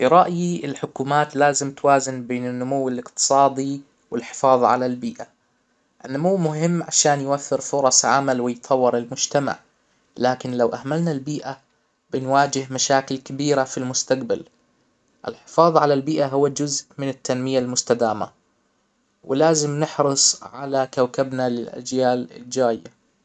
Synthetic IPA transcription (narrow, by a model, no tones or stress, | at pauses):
ɾˤɑʔjiɪlħʊkuːmaːt̪laːzɪmt̪waːzɪnbeːnɪnːʊmʊwːɪlɪqt̪ɨ̥sˤɑːd̪i | wɪlħɪ̥fɑːðˤʕa̰lalbiːʔa | ʔɪnːʊmuwːmʊɦɪmːʕaʃaːnjwafːɪɾfʊɾˤɑsˤʕa̰malwɪjt̪ˤʰɑwːɪɾɪlmʊd͡ʒt̪ama̰ʕ | laːkɪnlawʔahmalnalbiːʔa | b̥ɪnwaːd͡ʒɪhmaʃaːkɪlkabiːɾafilmʊst̪aqbal | ʔɪ̰lħɪ̥fɑːðˤʕalalbiːʔaɦʊwːad͡ʒʊzʔmɪnɪt̪ːanmɪjalmʊst̪ad̪aːma̰ | wɪlaːzɪmnɪħɾɨsˤʕa̰lakawkabnalɪlʔa̰d͡ʒjaːlɪ̰ld͡ʒaːjːa̰